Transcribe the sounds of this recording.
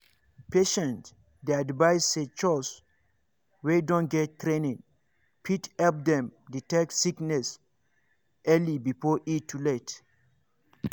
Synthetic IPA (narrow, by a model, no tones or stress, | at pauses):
peʃɛ̃nt | deadvajset͡ʃɔs | wedɔ̃nɡɛttːɾẽnĩŋ | pʰithɛlp̚d̪ɛ̃mditɛk̚tsiknɛs | ʔɛlibifɔʔitʰːulet